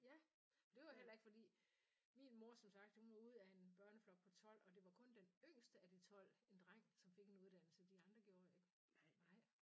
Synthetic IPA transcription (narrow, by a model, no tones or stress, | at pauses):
jæ | mnd̥e̝ʋɑɦel̰ɐeɡ̥fɒ̽d̥ḭː | minmo̝ɐsɒ̽msɑ̈ɡ̥d̥hunʋɑ̈uð̞̰ˠæe̝nb̥ɶɐnəflɒ̽ɡ̥̚pʰɒ̽t͡sʰɒ̽l̰ɒ̽d̥e̝ʋɑ̈kʰɔ̽nd̥enøŋ̰sd̥əæd̥it͡sʰɒ̽l̰e̝nd̥ʁaŋ̰sɒ̽mfe̝ɡ̥e̝nuðˠd̥æn̰l̩səd̥iɑ̈nd̥ʁɐɡ̥jo̝ːɐeɡ̥ | ʋɑ̈ɪ